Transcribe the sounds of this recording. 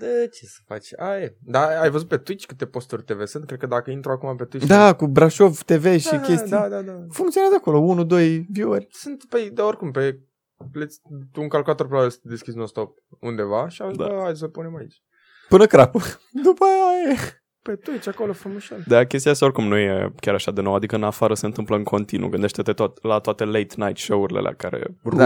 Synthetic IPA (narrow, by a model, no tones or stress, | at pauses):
d̪ət͡ʃesə̥fa̰t͡ʃʲajed̪aajvəzut̪̚pe̞t̪uit͡ʃʲkɨt̪e̞po̞st̪urʲt̪e̞ve̞sɨnt̪̚kɾed̪kəd̪akəint̪ɾoakumape̞t̪uid̪akubɾaʃo̞vt̪e̞ve̞ʃikʲest̪iad̪ad̪afuŋkt̪sioazəako̞lo̞unud̪o̞jvjuərʲsɨnt̪ped̪eorʲkumpe̞ | plet̪sʲt̪uŋkalkulat̪o̞ɾpelaest̪d̪e̞skʲisunost̪o̞p̚und̪e̞vaʃiavd̪a̰ajsəpune̞mait͡ʃʲ | pɨnəkɾapəd̪upajaje | pet̪ujet͡ʃakolofɾumuʃald̪akʲest̪ijast̪aorʲkumnujḛkʲaɾaʃad̪inowad̪ikəɨnafaɾəse̞nt̪ɨmpləɨŋkʰo̞nt̪inṵɡɨnd̪e̞ʃt̪et̪et̪ot̪lat̪oat̪e̞lejt̪najt̪ʃouɾilḛlʔa̰kaɾḛua